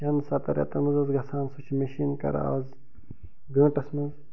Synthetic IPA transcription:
ɐnsɐt̪ɐɾʲɐ̰t̪ɐmɨzɐzɡɐsʰaːnsut͡ʃʰimeʃiːnkɐ̰ɾa̰z | ɡɐ̃ːʈɐsmɐnz

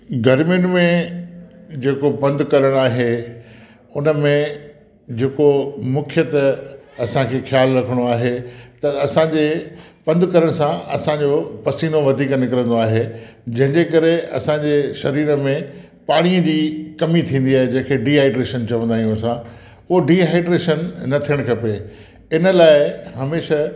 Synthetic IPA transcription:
ɡɐɾmjʊnɪ̆mẽ | d͡ʑeːkobɐ̃nd̪kɐɾəɽ̃aːɦe | ʊnə̆mẽ | d͡ʑeːkomʊkʰɪjət̪ɐsãkʰeːxjaːlɾɐkʰəɽ̃oaːɦet̪ɐɐsãd͡ʑepɐ̃nd̪kɐɾəɽ̃sãɐsãɲd͡ʑopɐsiːnoʋɐd̪ʱiːknɪkəɾə̃nd̪oaːɦed͡ʑɐ̃ɦɪ̃ɲd͡ʑekɐɾeɐ̰sãd͡ʑeʃɐɾiːɾə̆mẽ | paːɽ̃iə̃d͡ʑiːkɐmit̪ʰĩːn̆d̪iaːɦed͡ʑɐ̃ɦɪ̃kʰeɖiːɦaːɪɖɾeːʃənt͡ɕɐʋə̃nd̪aːɦijũsã | ʊɦoɖiːɦaːɪɖɾeːʃənːɐt̪ʰijəɽ̃kʰɐpe | ɪnəlaːɪɦɐmeːʃa

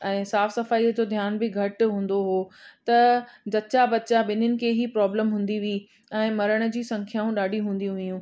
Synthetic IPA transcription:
ɛ̃ːsaːfsɐfaːiəd͡ʑod̪ʱjaːnbɪɡʱɐʈɦũːn̆d̪oɦoːt̪ɐd͡ʑɐtːt͡ɕabɐtːt͡ɕaɓɪnənɪ̆kʰeːɦipɾɔːbləmɦũːn̆d̪iʋii | ɛ̃ːmɐɾəɽ̃ə̆d͡ʑiːsɐ̃ŋkʰjaːũɗaːɖʱiɦũːn̆d̪ijũʋɐjũː

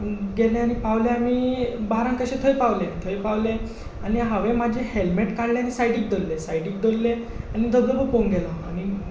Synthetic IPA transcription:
ɡelẽañipaʋlẽamibaɦɾãŋkəɕẽt̪ʰəjpaʋlet̪ʰəjpaʋlẽ | añiɦaʋemad͡ʑʱehelmeʈkaɽlẽanisajɖiːk̚d̪ʱəlːesajɖiːk̚d̪əlːe | anid̪ʱəbləbəpoŋɡelaːñi

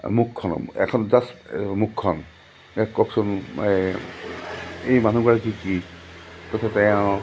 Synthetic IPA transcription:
mukʰːɔnɔ̰ɛ̰kʰɔnzasmukʰːɔn | ɛkɔksɔn | ejmanuɡaɹkiki | kɔt̪ʰatɛjã

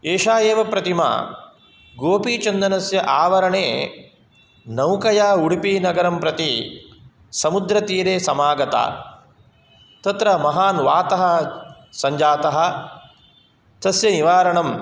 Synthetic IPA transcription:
eːʂaːjeːʋɐpɾɐt̪ima̰ː | ɡoːpiːt͡ʃɐnd̪ɐnɐsjɐʔaːʋɐɾɐɳeː | nɐwkɐjaːuɽipiːnɐɡɐɾɐmpɾɐt̪i | sɐmud̪ɾɐt̪iːɾeːsɐmaːɡɐt̪a̰ː | t̪ɐt̪ɾɐmɐɦaːnʋaːt̪ɐɦɐ̆ | sɐɲd͡ʒaːt̪ɐɦɐ̆ | t̪ɐsjɐniʋaːɾɐɳɐm

